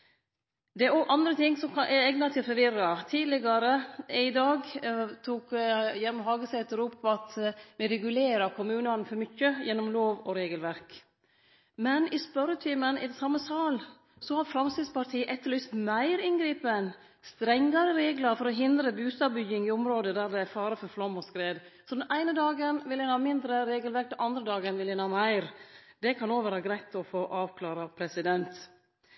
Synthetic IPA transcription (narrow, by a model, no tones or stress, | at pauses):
d̪ɛæɾɔɡʔɑnd̪ɾət̪ʰɪŋːsɔmkʰɑʔɛɛɡnɑt̪ʰɪlfɔɾʋɪɾɑt̪ʰiːd̪lɪɡɑɾəɪd̪ɑːɡt̪ʰuːkjɛnmmɦɑːɡəsɛt̪əɾʊpːɑt̪ʋɪɾɛɡʉleːɾɑɾkʰʊmʉːnɑnfɔɾmʏçːəjɛnːɔmloːʋɔɾeːɡəlʋæɾk | mɛnɪspœɾət̪ʰiːmənɪd̪ɛsɑmːəsɑːl | sɔhɑɾfɾɑmsɪd̪spʰɑʈ̪ʰiːəʔɛt̪ːəɭyst̪mæɪɾɪnɡɾiːpən | st̪ɾɛŋːɑɾəɾeːɡlɑɾfɔɾɔɦɪnd̪ɾəbʉːst̪ɑːbʏɡɪŋɪʊmɾoːd̪əd̪æɾd̪ɛæɾfɑːɾəfɔɾflɑmːɔskɾeːd̪sɔd̪ɛnʔæɪnəd̪ɑːɡənʋɪlhɪnhɑːmɪnd̪ɾəɾeːɡəlʋæɾk̚d̪ɛnɑnd̪ɾəd̪ɑːɡənʋɪlhænhɑːmæɪɾd̪ɛkʰɑnoːʋəɾhɑːɡɾæɪt̪ʰɔfoːʔɑːʋkʰlɑːɾɑpʰɾɛsɪd̪ɛnt̪